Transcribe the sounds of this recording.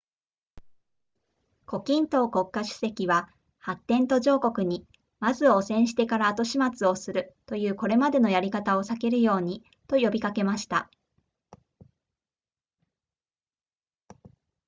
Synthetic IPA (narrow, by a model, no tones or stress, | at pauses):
ko̞kʲĩnt̪o̞ːko̞kːaɕɨ̥se̞kʲiβa | hat̪ːẽ̞nt̪o̞ʑo̞ːko̞kɯ̟ɲ̟i | mazɨo̞sẽ̞ɰ̃ɕi̥t̪e̞kaɾaːt̪o̞ɕimat͡sɨo̞sɨɾɯ̟t̪o̞jɯ̟ːko̞ɾe̞mad̪e̞no̞jaɾʲikat̪ao̞sake̞ɾɯ̟jo̞ːɲ̟i | t̪o̞jo̞bʲikake̞maɕi̥t̪a̰